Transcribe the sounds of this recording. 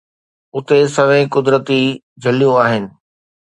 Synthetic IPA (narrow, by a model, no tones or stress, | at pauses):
ʊt̪esɐʋ̤ẽkʊd̪ɾət̪i | d͡ʑʱɐlijũaːɦɪnɪ̆